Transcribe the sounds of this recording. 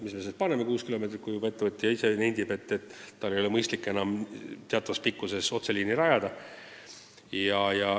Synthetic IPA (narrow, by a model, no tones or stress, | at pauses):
misme̞set̪̚pɑnemekuːskilo̞me̞t̪̬rit̪kujubɑe̞t̪ːevɤt̪ʲːˑijɑisenejnd̪̥ibe̞t̪ːet̪ːɑlːe̞jo̞lemɤjst̪likːˑenɑmt̪eɑt̪ːˑɑvɑspikːuse̞so̞t̪seliːniɾɑjɑd̪ɑ | jɑjɑ